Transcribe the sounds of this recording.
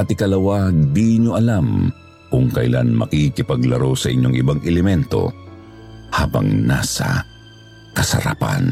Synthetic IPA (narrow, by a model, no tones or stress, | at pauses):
ʔɐt̪ɪkɐlɐwad̪iɲoʔɐlam | kʊŋkɐjlanmɐ̰kikɪpɐɡlɐɾowsɐʔɪ̰ɲːo̞ŋʔɪbaŋʔɛlɛmɛnt̪o̞̰ | haːbɐ̰ŋna̰ːsɐ̰ | kɐsɐ̰ɾapa̰n